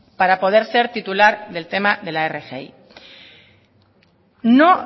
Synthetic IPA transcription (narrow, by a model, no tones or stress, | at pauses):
paɾapo̞ð̞e̞ɾse̞ɾt̪it̪ulaɾðe̞lt̪e̞maðe̞laerexḛḭ | no